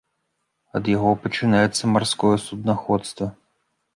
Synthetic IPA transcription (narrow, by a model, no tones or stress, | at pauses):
ɐd̪jaɣɔpɐt͡ʂɨnajɛt̪sːɐmarskɔjɛsud̪naxɔt̪st̪vɐ